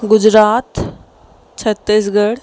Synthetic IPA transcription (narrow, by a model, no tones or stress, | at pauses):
ɡʊd͡ʒɾaːt̪ | t͡ʃʰət̪ːis̬ɡəɽ